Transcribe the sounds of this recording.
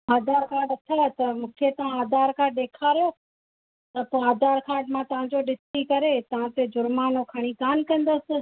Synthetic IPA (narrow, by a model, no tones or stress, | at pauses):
aːd̪ʱaːɾkʰaːɖɐt̪ʰat̪ɐmũːkʰet̪ɐʋãaːd̪aːɾkʰaːɗeːkʰaːɾjo | t̪ɐpɐaːd̪aːɾkʰaːɖmãt̪ɐʋ̤ãd͡ʑoɗɪst̪ikɐɾet̪ɐʋ̤ãt̪ed͡ʑʊɾmaːnokʰaɽ̃ikaːnkɐ̃nd̪əsɪ̆